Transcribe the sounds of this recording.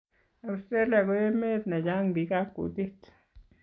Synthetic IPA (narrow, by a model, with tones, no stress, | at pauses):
a˨u˧st̪e˦la˨ɡo˧e˦me˦t̪na˨ja˦ŋbi˨ɡa˦kṵ˨t̪i˦t̪